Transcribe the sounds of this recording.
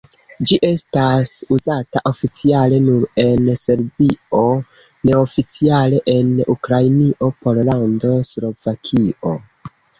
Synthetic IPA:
d͡ʒiʔe̞stasuzataʔo̞fit͡siale̞nuɾe̞nse̞ɾbio̞ | ne̞o̞fit͡siale̞ʔe̞nukɾajniʔo̞po̞llando̞slo̞vakʰio̞

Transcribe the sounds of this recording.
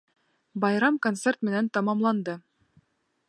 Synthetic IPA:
bɑjɾɑmkont̪sert̪mɘ̆nænt̪ɑmɑmlˠɑnd̪ɤ

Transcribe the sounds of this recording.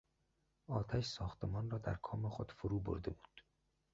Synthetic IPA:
ɒːt̪ʰæʃsɒːxt̪emɒːnrɒːd̪æ̰ɾkʰɒːmexod̪̥foɾuːbo̰ɾd̪ebuːd̪̥

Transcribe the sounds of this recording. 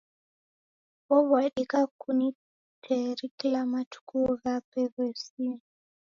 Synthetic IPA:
βɔβɔɛɗikakuni | tʰɛɾikilamatu̥kuɣapɛɣɛsi

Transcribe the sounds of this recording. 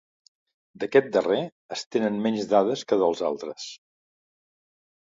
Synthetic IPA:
d̪əkɛt̪̚d̪əre | əst̪enənmɛɲzðaðəskəðəlˠza̰lˠt̪ɾəs

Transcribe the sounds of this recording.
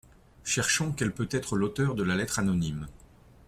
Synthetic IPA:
ʃɛʁʃɔ̃kɛlpøt̪ɛt̪χəlot̪œʁd̪əlalɛt̪χanɔnim

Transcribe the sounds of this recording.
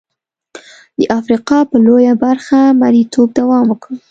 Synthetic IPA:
d̪̥əʔafɾiqɑpəlojabaɾxamaɾit̪ʰob̚d̪awɑmwəkɽə

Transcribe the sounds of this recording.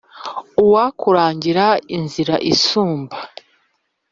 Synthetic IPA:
uwakuɾaːɲɟiɾainziɾa̰ʔisuːmba

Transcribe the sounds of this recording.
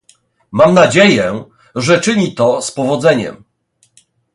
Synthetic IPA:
mamnad͡ʑejɛ | ʐɛt͡ʂɘɲit̪ɔspɔvɔd̪zɛɲɛ̰m

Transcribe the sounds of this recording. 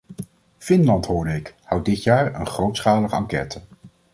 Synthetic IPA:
fɪnlɑntɦʊːɹdəɪkhʌwt̚dɪtjaːɹə̰nχrowtsχaːləχɑ̰ŋkɛ̰tə

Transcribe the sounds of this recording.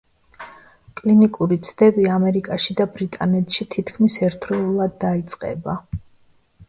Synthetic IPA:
kʼlinikʼuɾit̪sʰd̪ɛbiamɛɾikʼaʃid̪abɾit̪ʼanɛt̪ʰʃit̪ʰit̪ʰkʰmisɛɾt̪ʰɾɛulˠad̪ːait̪sʼqʼɛ̰ba

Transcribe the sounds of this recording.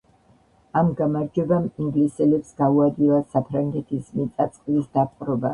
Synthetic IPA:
amɡamaɾd͡ʒɛbamiŋɡlisɛlɛpsɡ̥auad̪ilˠasapʰɾaŋɡɛt̪ʰismit̪sʼat̪sʼqʼlisd̪apʼqʼɾɔba

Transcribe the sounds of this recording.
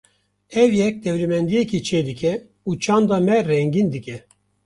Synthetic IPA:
ɛvjɛk̚d̪ɛvlɛmɛnd̪ijɛkit͡ʃʰeːd̪ɨkʰʲɛ | ut͡ʃʰɑːnd̪ɑmɛrɛŋɡind̪ɨkʲɛ

